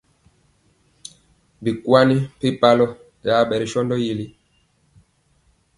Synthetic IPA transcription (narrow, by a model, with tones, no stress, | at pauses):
bi˨kwa˦ni˦pi˦pa˦lɔ˦ | ja˨˦ɓɛ˨ɾi˨ʃɔ˦ndɔ˦ji˦li˦